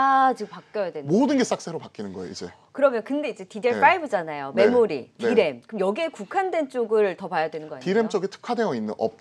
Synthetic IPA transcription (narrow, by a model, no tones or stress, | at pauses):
at͡ɕiɡɯmpak͈jʌjadwemodɯnɡes͈ak̚s͈ʰeɾopak͈inɯnɡʌḛid͡ʑe̞ | kɯɾʌmjʌnkɯnde̞id͡ʑe̞tideɭp͈aibɯd͡ʑanajome̞moɾḭtiɾe̞mkɯɯmjʌɡiekukʰandwe̞nt͡ɕ͈oɡɯɭtʌpajadwe̞nɯnɡʌaɲtiɾe̞mt͡ɕ͈ʌɡitʰɯ̥kʰade̞ʌinːɯ̰nʔʌp̚